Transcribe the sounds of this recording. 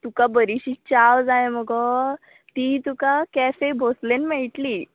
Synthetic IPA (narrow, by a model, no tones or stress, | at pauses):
t̪ukabəɾiɕiːt͡ɕawd͡zajməɡɔ | t̪it̪ukakɛfebʱoslenmeɭiʈ̪liː